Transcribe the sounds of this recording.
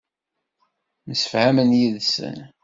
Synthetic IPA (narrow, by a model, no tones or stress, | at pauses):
məsəfhæmənjiðsə̰n